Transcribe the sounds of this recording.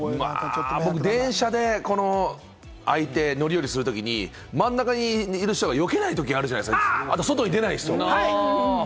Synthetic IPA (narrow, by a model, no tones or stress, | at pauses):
ma̰bo̞k̬ɯ̟d̪ẽ̞ɰ̃ɕad̪e̞ko̞no̞ | ait̪e̞no̞ɾʲijo̞ɾʲisɨɾɯ̟t̪o̞kʲiɲ̟ḭ | mãnːakaɲ̟iːɾɯ̟ɕt̪oɡajo̞ke̞nait̪o̞k̬ʲiaɾɯanaeskaat̪oso̞t̪o̞ɲ̟id̪enaisɨoa